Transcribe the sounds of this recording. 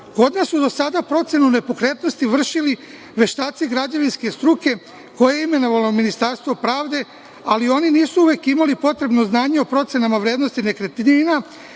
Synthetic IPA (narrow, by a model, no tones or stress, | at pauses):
ko̞d̪nasːud̪o̞sad̪apɾo̞t̪se̞nune̞po̞kɾe̞t̪no̞st̪iʋr̩ʃili | ʋe̞ʃt̪aːt̪siɡɾad͡ʑaʋinske̞st̪ɾuke̞ | ko̞jeime̞no̞ʋalominist̪aɾst̪vʋo̞pɾaːʋd̪e̞ | alio̞niniːsuuʋe̞ːkimalipo̞t̪ɾe̞bno̞znaːɲeopɾo̞t̪sje̞namaʋɾjeːd̪no̞st̪ine̞kɾe̞t̪ɲina